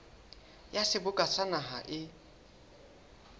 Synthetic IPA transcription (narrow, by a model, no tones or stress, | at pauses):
jasɪbʊkʼasanaɦa̰ʔɪ